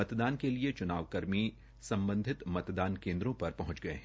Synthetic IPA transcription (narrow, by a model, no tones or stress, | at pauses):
ɐt̪d̪aːnkeliet͡ʃʊnaːʋkɐɾmi | sɐ̃mbə̃nd̪ʱɪt̪mɐt̪d̪aːnkẽːnd̪ɾõpɐɾpɐɦʊ̃t͡ʃɡɐḛɦɛ̃